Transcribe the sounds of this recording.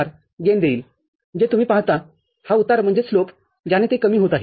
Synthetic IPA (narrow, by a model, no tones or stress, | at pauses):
ɾ | ɡend̪eiːl | d͡ʑet̪umiːpaɦt̪a | haut̪aɾm̤əɳd͡zeslop | d͡ʑanet̪ekəmiːɦot̪aɦi